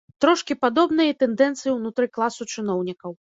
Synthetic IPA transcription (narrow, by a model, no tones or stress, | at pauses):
t̪ɾɔʂkʲipad̪ɔbnɨjɐt̪ɛnd̪ɛnt̪sɨjiwnut̪ɾɨklˠasut͡ʂɨnɔwnʲikɐw